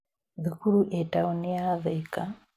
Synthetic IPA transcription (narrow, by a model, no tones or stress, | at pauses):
ðikuɾuʔetauniaðɛka